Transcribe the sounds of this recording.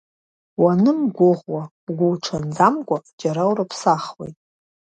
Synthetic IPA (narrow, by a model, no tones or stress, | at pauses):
wanɨmɡʷʊʁwa | ɡʷʊwʈ͡ʂʰand͡zamkʷʼad͡ʒaɾawɾapʰsaχwḛjtʼ